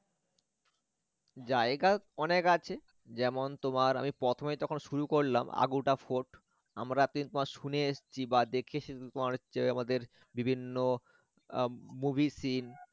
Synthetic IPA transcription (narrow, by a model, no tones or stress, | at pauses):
d͡ʑaeɡaɔnekat͡ɕʰe | d͡ʑɛmont̪omaɾa̰mipɾɔt̪ʰomejt̪ɔkʰonʃuɾukoɾla̰ma̰ɡuʈafoʈ | amɾat̪nit̪omaɾʃuneeʃt͡ɕʰibad̪ekʰet͡ɕʰet̪omaɾt͡ɕeamad̪eɾ | bibʱinːo | mubʱisin